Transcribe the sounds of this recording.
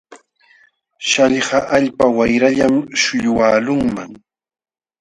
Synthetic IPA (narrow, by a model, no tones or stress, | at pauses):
ʃaʎɢɑʔaʎpawajɾaʎamʃʊʎʊwaːlʊŋmaŋ